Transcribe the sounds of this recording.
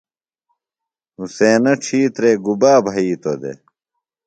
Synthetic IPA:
useːnɐʈ͡ʂʰiːt̪ɾeːɡubaːbʱɐiːt̪od̪ḛ

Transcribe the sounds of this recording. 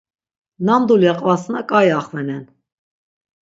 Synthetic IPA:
namd̪uljɛqʼvasnəkʼajaχvɛnɛn

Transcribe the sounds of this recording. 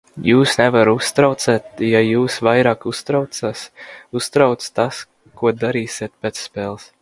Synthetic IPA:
juːsnɛvaɾust̪ɾawt̪sɛːt̪̚jajuːsvajɾaːkust̪ɾawt̪saːsust̪ɾawt̪st̪as | kuɔd̪aɾiːsʲiɛt̪̚pʲet̪sːpeːlˠs

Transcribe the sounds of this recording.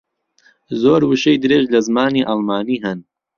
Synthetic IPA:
zoːɾwɨʃejd̪ɨɾeːʒlɐzmaːniːʔɑlˠmaːniːɦɨn

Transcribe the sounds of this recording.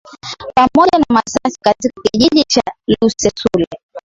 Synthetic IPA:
pamɔʄanamasasikatikakiʄiʄit͡ʃalusɛsulɛ

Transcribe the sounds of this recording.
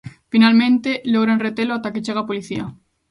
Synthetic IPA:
finalmẽnt̪eloɣ̞ɾanret̪eloat̪aket͡ʃeɣ̞apoliθia

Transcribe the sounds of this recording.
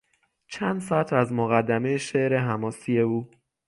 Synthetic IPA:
t͡ʃʰænd̪sɒæt̪ʰæzmoɣæd̪ːæmejeʃe̞ʔɾe̞ɦæmɒːsije̞uː

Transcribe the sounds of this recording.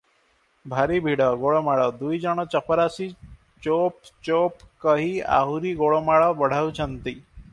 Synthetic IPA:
bʱaɾibʱiɽɔɡoɭomaɭɔd̪ujd͡ʒəɽ̃ɔt͡ʃəpəɾasi | t͡ʃopt͡ʃopkəɦia̰ɦuɾiɡoɭomaɭɔbəɽ̤aut͡ʃʰənt̪i

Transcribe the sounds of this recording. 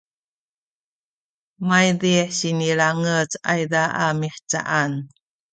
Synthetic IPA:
majdiħɕinilaŋət͡sa̰jdaʔamiħt͡sa̰ʔan

